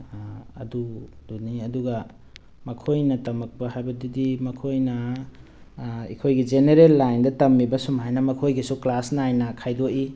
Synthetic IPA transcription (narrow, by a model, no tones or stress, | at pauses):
ɐ̰dud̥uniɐduɡɐ | mɐkʰojnɐtɐmɐk̚pɐɦajbɐdidimɐkʰojnɐ | ikʰojɡid͡ʒeneɾelːajndɐtɐmːibɐsumajnɐmɐkʰojɡisuklasnajnɐkʰajdoʔi